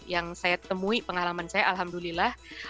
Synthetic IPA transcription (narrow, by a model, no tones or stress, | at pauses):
jaŋsajat̪əmuipəŋalamansajaʔalɦamdulilah